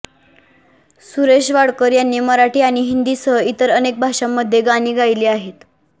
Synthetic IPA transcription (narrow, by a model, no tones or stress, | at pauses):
suɾeɕʋaɽkəɾjanːiməɾaʈiːaɽ̃iɦind̪iːsəɦit̪əɾənek̚bʱaʂamːəd̪ʱjeɡaniːɡajliaɦet̪